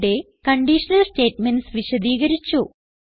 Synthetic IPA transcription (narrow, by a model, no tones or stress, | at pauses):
ɽe̞ | kɐɳɖiʂɐnɐlste̞ːʈmensʋiɕɐd̪iːɣɐɾit͡ɕːu